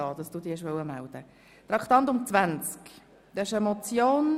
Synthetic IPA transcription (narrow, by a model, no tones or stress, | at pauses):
ɑːd̥̪ɑsd̥uːd̪iːɐʃʋœwəmæld̥̪ə | t̪ɾɑkʰt̪ɑnt̪ʊmt͡svænt͡sk | d̪̥ɛɪʃəmɔt͡sjoːn